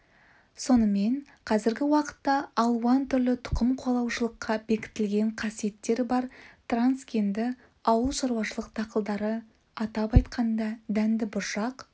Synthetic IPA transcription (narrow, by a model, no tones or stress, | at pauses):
so̞nəme̞n | qʰɑzɪɾɡʲɪwɑqə̥t̪ːɑːlˠuwɑnt̪ʰʏɾlɪt̪ʰʊ̥qəmqʰolˠɑwʃəlˠəqːɑbe̞kʲɪ̥t̪ɪlɡʲe̞ɴqʰɑsije̞t̪ːe̞ɾɪbɑɾt̪ranskʲe̞nd̪ɪ | ɑwəlˠʃɑɾwɑʃəlˠəqt̪ʰɑqəlˠd̪ɑɾə | ɑt̪ɑpɑjt̪qʰɑnd̪ɑd̪ænd̪ɪbʊɾʃɑq